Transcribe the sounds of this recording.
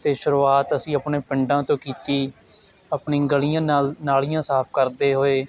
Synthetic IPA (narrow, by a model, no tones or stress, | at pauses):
t̪eːʃʊɾuːaːt̪əsĩːəpɳeːpɪɳɖãːt̪õːkiːt̪iː | əpɳĩːɡəlijãːaːlnaːliːjãːsaːp̚ʰkəɾd̪eːɦoːeː